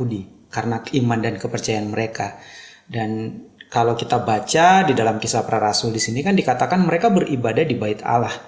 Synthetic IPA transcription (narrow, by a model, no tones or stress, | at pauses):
udikaɾənakəimandankəpərt͡ʃajaanməɾeka | dankalawkit̪abat͡ʃadidalamkisapəɾaɾasʊldisinikandikat̪akanməɾekabərʔibadahdibaɪt̪a̰lah